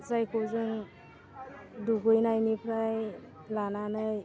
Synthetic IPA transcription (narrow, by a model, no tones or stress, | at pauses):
zajkʰowzɯŋ | duɡɯjnajnipʰɾaj | lananɯj